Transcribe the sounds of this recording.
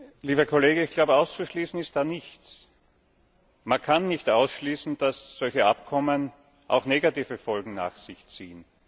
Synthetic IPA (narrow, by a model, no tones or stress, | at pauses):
liːbɐkʰoleːɡəɪçɡ̥laʊbəaʊst͡suʃliːsn̩ɪst̚d̥aːnɪçtt͡s | mankʰanːɪçtaʊsʃliːsn̩d̥asz̥ɔlçəʔapkʰɔmən | ʔa̰ʊxneːɡatiːvəfɔlɡŋ̩na̰ːxsɪçt͡siːən